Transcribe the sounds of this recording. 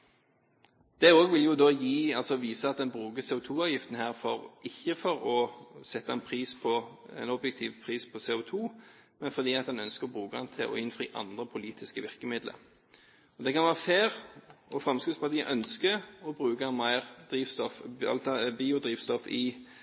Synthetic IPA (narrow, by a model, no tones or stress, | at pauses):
d̪̥ɛoːɡʋɪljʊd̪oːjiːɑlsɔʋiːsəɑt̪̚d̪ɛnbʁʉːkəsɛːʊt̪ʰuːɑːʋjɪft̪ən̩hæːʁfɔʁɪçːəfɔʁɔsɛt̪ːɑɛnpʰʁiːspʰɔɛ̰nɔbjɛk̚t̪ʰiːʋpʰʁiːspʰɔseːʊt̪ʰuː | mɛnfɔd̪iːɑt̪̚d̪ɛnœnskəʁɔbʁʉːkəɑnt̪ʰɪ̰lʔɔ̰ɪnfʁḭːʔɑ̰nd̪ʁəpʰʊliːt̪ʰɪskəʋɪʁkəmɪd̪lə̰ɾ | ɔd̪ɛkʰɑnʋæːʁəfeːʁɔfʁɑmskʉd̪spɑʁt̪iːəʔœnskəɔbʁʉːkɑmæɪʁd̪ʁiːʋst̪ɔfɑ̰biːʊd̪ʁiːʋst̪ɔfɪ